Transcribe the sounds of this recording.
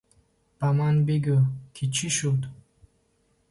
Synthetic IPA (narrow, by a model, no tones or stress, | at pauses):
pamanbiɡʲukʰʲit͡ʃʰiʃut̪